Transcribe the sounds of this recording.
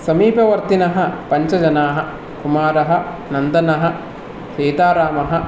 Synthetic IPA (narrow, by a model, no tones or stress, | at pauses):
sɐmiːpɐʋɐɾt̪inɐɦɐ̆pɐɲt͡ʃɐd͡ʒɐnaːɦɐ̆ | kumaːɾɐɦɐ̆ | nɐnd̪ɐnɐɦɐ | ʃeːt̪aːɾaːmɐɦɐ